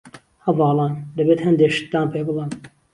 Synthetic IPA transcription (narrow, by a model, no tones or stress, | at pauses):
hɐvɑːlˠɑːnd̪ɐbeːt̪hɛnd̪eːʃi̥t̪d̪ɑːnpʰeːbɨlɑn